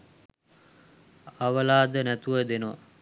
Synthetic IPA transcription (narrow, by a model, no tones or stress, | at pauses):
aʋəlaːd̪ənæt̪uʋəd̪enəʋa